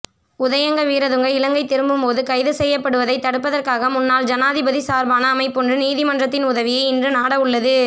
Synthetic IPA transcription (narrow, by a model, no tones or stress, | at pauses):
ʊðɐjɐŋɡɐʋiːɾɐðɯŋɡɐɪlɐŋɡɐɪt̪ːɪɾɯmbɯmpoːðɯkɐɪðɯsɛjːɐpːɐɽɯʋɐðɐɪt̪ːɐɽɯp̬ːɐðɐrkaːɣɐmʊnːaːld͡ʒɐnaːðɪbɐðisaːɾbaːnɐːmɐɪpːɔndrɯniːðɪmɐndrɐt̪ːɪnʊðɐʋɪjɐɪɪndrɯnaːɽɐʊɭːɐðɯ